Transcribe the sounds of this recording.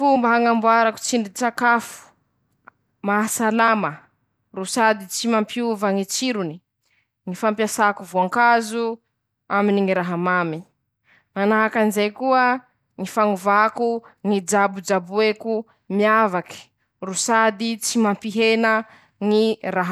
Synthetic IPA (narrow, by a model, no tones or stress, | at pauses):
fumbaɦaŋambuaɾaku̥t͡siɳdit͡sakafu̥ | maɦasalamə | rusad̪it͡simampiuvəŋit͡ʃiɾuni | ŋifampjasakuvuaŋkazu | aminiŋiɾaɦamami | manaɦakanizejkuə | ŋifaŋuvakuŋid͡ʒabud͡ʒabueku | miavaki̥ | rusad̪it͡simampiɦenə | ŋiraɦ